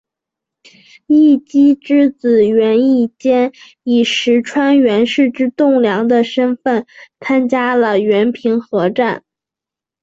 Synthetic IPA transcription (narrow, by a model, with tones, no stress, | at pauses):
i˥˩t͡ɕi˥ʈ͡ʂɻ̩˥t͡sɹ̩˨˩ɥɛ˧˥ni˥˩t͡ɕjɛ˥n | i˨˩ʂɻ̩˧˥ʈ͡ʂʰwa˥nɥɛ˧˥nʂɻ̩˥˧ʈ͡ʂɻ̩˥t̪ʊ˥˩ŋljɑ˧˥ŋd̪ə˧ʂə˥nfə˥˩nt͡sʰa˥nt͡ɕja˥lə˨ɥɛ˧˥npʰi˧˥ŋxɤ˧˥ʈ͡ʂa˥˩n